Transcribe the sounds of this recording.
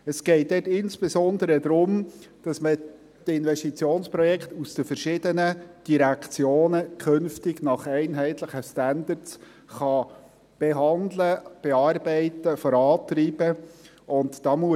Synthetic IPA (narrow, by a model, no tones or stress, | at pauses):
əsɡ̥ɛɪt̚dɛtɪnsb̥esɔndəɾəd̪ɾʊmd̥ɑsmə | tɪnvɛstit͡sjoːnspɾɔjɛkχtusd̥əfəɾʃɪdənəd̥iɾɛkt͡sjoːnəkʰɵnftɪɡnɑχɛɪnɦɛɪtləχəstændəɾts | χɑ | b̥ɛɦɑnd̪ləb̥eɑːɾbɛɪtəfɔɾɑːtɾiːb̥ə | ʔʊntd̥ɑːmu